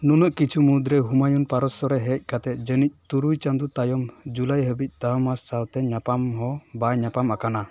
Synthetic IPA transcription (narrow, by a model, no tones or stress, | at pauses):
nunɔʔkit͡ʃʰumud̪ɾɛɦumajunpaɾɔsɔɾɛɦɛc̚ˀkat̪ɛt̪̚ˀd͡ʒənic̚ˀt̪uɾujt͡ʃand̪ut̪ajɔmd͡ʒulajɦəbic̚ˀt̪aɔmasawt̪ɛɲapamɦɔbaɲapamakana